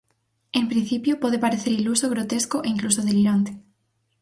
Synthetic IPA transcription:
empɾin̟θipjopoð̞epaɾeθeɾilusoɣɾot̪eskoʔeiŋklusoðeliɾant̪e̥

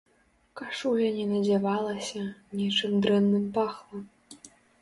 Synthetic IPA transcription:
kaʂulʲɐnʲɛnɐd͡zʲɛvɑlˠɐsʲɐnʲit͡ʂɨmd̪ɾɛnːɨmpaxlˠɐm

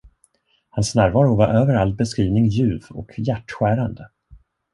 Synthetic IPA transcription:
hansnæːɾvɑːɾʊvaɾʔøːvəɾal̚bɛskɾiːvnɪŋjʉ̟ːvɔ̰kʰjæʈːɧæːɾand̪ə

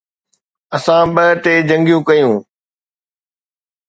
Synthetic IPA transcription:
ɐsãɓɐʈeːd͡ʑɐ̃ŋɡjũkɐjũː

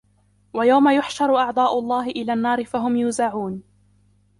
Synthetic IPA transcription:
wajawmajʊħʃɑɾˤʊʔɑʕd̪ˤɑːʔʊlˤːɑːɦɪʔɪlaːnːɑːɾɪfaɦʊmjuːzaʕuːn

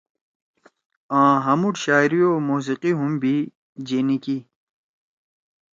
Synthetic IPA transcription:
ãːɦɐmuʈɕaːiɾijoːmuːs̬iqiɦumbʱi | d͡ʑeːniki

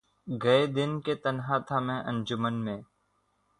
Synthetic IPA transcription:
ɡəed̪ɪnket̪ənɦãːt̪ʰaːmɛ̃ːʔə̃nd͡ʒʊmənmẽː

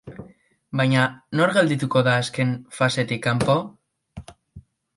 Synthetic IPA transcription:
bajɲano̞ɾɣeld̪it̪uko̞ðaːske̞nfase̞t̪ikːampo̞

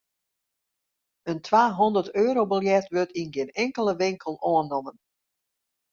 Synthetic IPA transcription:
əntʰʋaːɦɔndərtøːɾobəlˠjɛtʋørtinɡɪənɛŋkəlˠəʋɪŋkəlˠoənːomən

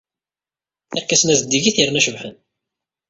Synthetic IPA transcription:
θæɾkːæsənæzd̪ːiʝiθiɾnæʃəvħən

